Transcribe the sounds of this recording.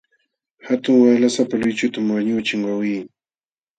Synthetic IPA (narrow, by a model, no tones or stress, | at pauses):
hat̪ʊŋwaːlasapalʊjt͡ʃʊt̪amwaɲʊt͡ʃɪŋwawiː